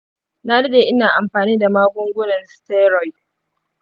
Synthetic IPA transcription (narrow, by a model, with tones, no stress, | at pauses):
na˦dɐ˦deː˨ʔɪ˦naː˨ʔa˨mɸaː˨niː˦da˨maː˦ɡʷʊ˦ŋɡʷʊ˦nɐ˨nstɛ˦ɾɔ˨˦j